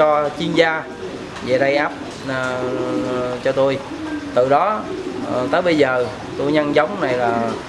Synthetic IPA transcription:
ɔ˧t͡ɕi˧ənzaː˧ | ze˨˩ɗa˧jʔaː˦˥p̚ː | t͡ɕɔ˧t̪o˧j | t̪ɨ˨˩ɗɔ˨˦˩ | t̪əː˨˦jɓə˧jzəː˨˩ | t̪o˧jɲə˧nt͡ɕə˨˦wŋ͡mna˨˩jlaː˨˩

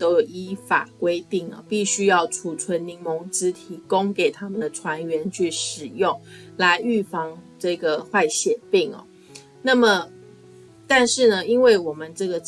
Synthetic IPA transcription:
t̪o˥ʊjo˨˩ʊi˦˥fa̰˨˩kwe˥ɪt̪i˥˩ŋɐ̰˨˩pi˥˩ɕy˥jɑ˥˩ʊʈ͡ʂʰu˨˩t͡sʰwə˧˦˥nni˧˥ŋmɔ˧˥ŋt͡sɹ̩˦t̪ʰi˧˥kʊ˥ŋke˨˩ɪt̪ʰa˥mə˨nd̪ə˩ʈ͡ʂʰwa˧˥nɥɛ˧˥nt͡ɕʰy˥˩ʂɻ̩˨˩jʊ˥˩ŋla˧˥ɪy˥˩fɑ˥˩ŋʈ͡ʂɤ˥˩ɡə˩xwa˥˩ɪɕjɛ˨˩pi˥˩ŋɐ̰˨˩ | na˥˩mə˨˩ | t̪a˥˧nʂɻ̩˥˩nə˩i˦˥nwe˥˩ɪwɔ˨˩mə˦nʈ͡ʂɤ˥˩ɡə˩

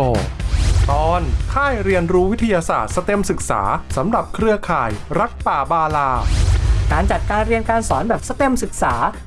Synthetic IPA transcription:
oː˧t̪ɔː˧nkʰaː˥˩jɾi˧ənɾuː˦˥wi˦˥t̪ʰːa˧jaː˧sa̰ː˨˩t̪̚sa˧t̪e˧msɯ˨˩k̚sa̰ː˩˦sa˩˦mɾa˨˩p̚kʰɾɯ˧əkʰaː˨˩jɾa˦˥k̚paː˨˩baː˧laː˧kaː˨˩nt͡ɕa˨˩t̪̚kaː˧nɾi˧ənkaː˧nsɔ̰ː˩˦nbɛː˨˩p̚sa˧t̪e˧msɯ˨˩k̚saː˩˦

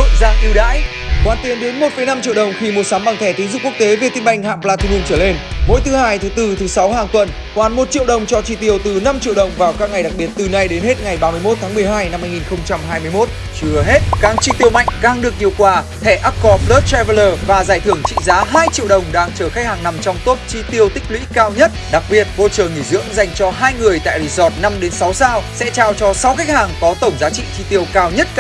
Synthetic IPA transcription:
o̰˧˨zaː˧ŋʔi˧wɗa̰ː˧˥j | kwaː˨˩nt̪i˨˦ənɗe˨˦nmo˨˩t̚fə˨˧˩jna˧mt͡ɕḭ˧əwɗə˨˩wŋ͡mxi˧mo˨˧˩t̚sa˨˦mɓa˧˩ŋt̪ʰɛ˧˩t̪i˨˦ŋzʊ̰˧˥ŋ͡mku˦˥k̚t̪e˨˦ve˨˩t̪i˧nɓa˧˩jŋ̟ha̰ː˧˨plaː˧t̪ʰi˧˩ɲi˧˩ŋt͡ɕəː˧˩le˧nmo̰˧˥jt̪ʰɨ˨˦haː˧jt̪ʰɨ˨˦t̪ɨ˧t̪ʰɨ˨˦sa˨˦wɦaː˨˩ŋt̪wə˨˩n | kwaː˧˩nmo˨˩t̚t͡ɕḭ˧˨wɗə˨˩wŋ͡mt͡ɕɔ˧t͡ɕḭ˧˩t̪i˧˩əwt̪ɨ˨˩na˧mt͡ɕḭ˧˨əwɗə˨˩wŋ͡mvaː˨˩wkaː˦˥k̚ŋa˨˩jɗa˨˩k̚ɓi˨˩ət̚t̪ɨ˨˩na˧jɗe˨˦nhe˦˥t̚ŋa˨˩jɓaː˧mɨ˧əjmo˦˥t̪̚ʰaː˨˦mɨ˨˩əjɦaː˧jna˧mːaː˧jŋi˨˩nxə˧wŋ͡mt͡ɕa˧mɦaː˧jmɨ˧jmo˦˥t̚ | t͡ɕɨ˧əɦe˦˥t̚kaː˨˧˥ŋt͡ɕi˧t̪i˧əwma̰˧˨jŋ̟kaː˧ŋɗɨ˨˩ək̚ɲi˨˩əwkwaː˧˩t̪ʰɛ˧˩ʔa˦˥kɔ˧pləː˦˥t̚t̪ɛ˧və˧ləː˧vaː˨˩zaː˧˩jt̪ʰɨ˧˩əŋt͡ɕḭ˧˨zaː˨˦ɦaː˧jt͡ɕḭ˧˨əwɗə˨˩wŋ͡mɗaː˧ŋt͡ɕəː˧˩xa˦˥k̚haː˨˩ŋna˨˩mt͡ɕɔ˧wŋ͡mt̪o˦˥t̚t͡ɕi˧t̪i˧əwt̪ï˦˥k̟̚lwḭ˧˥kaː˧wɲə˦˥t̚ɗa˨˩k̚ɓi˨˩ət̚vo̰˧˨t͡ɕəː˨˩ŋi˧˩zɨ̰˧˥əŋza˨˩jŋ̟t͡ɕɔ˧ɦaː˧jŋɨ˨˩əjt̪a̰ː˧˨jzi˧˩zɔ˨˩t̚na˧mɗe˨˦nsa˨˦wsaː˧wsɛ̰˧˥t͡ɕaː˧wt͡ɕɔ˧sa˨˦wxa˦˥jk̟̚haː˨˩ŋkɔ˨˦t̪ə˧˩wŋ͡mzaː˨˦t͡ɕḭ˧˨t͡ɕi˧t̪i˧əwkaː˧wɲə˦˥t̚

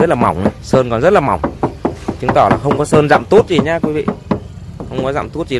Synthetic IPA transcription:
ə˦˥t̚laː˨˩ma˨˩wŋ͡mna˨˩səː˧nkɔ˨˩nzə˦˥t̚laː˨˩ma˧˩wŋ͡mt͡ɕɨ˨˦ŋt̪ɔ˧˩laː˨˩xə˧wŋ͡mkɔ˨˦səː˧nza̰ː˧˨mt̪o˦˥t̚zi˨˩ɲaː˧kwi˨˦vḭ˧˨ | xə˧wŋ͡mkɔ˨˦za̰ː˧˨mt̪o˦˥t̚zi˨˩

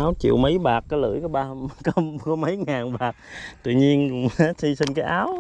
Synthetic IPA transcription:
aː˨˦wt͡ɕḭ˧˨əwmə˨˦jɓaː˨˩k̚kːlɨ̰˧˥jkɔ˨˦ɓaː˧kɔ˨˦kɔ˨˦mə˨˦jŋaː˨˩nɓaː˨˩k̚t̪wḭ˧˨ɲi˧ən˦˥si˧sï˧ŋ̟kaː˨˦jʔaː˨˦w

